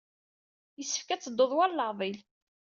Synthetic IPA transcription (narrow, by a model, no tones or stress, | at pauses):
jəsːəfkæt͡sːəd̪ːoðˤwælləʁðˤil